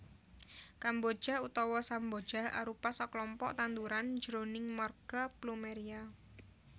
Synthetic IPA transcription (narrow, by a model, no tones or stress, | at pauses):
kambo̥ʒ̥a̤ɦut̪ɔwɔsambo̥d͡ʒ̥aha̰ɾupasɔklɔmpɔ̰ʔt̪and̪uɾand͡ʒəɾonɪŋmarɡ̥aplumeɾia